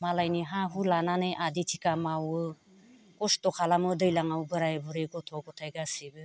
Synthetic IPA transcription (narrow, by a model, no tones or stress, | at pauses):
malajniɦãɦulananɯjʔaditʰikamawɯ | kɔstɔkʰalamɯdɯjlaŋawbɯɾajbɯɾeɡɔtʰɔɡɔtʰajɡasibɯ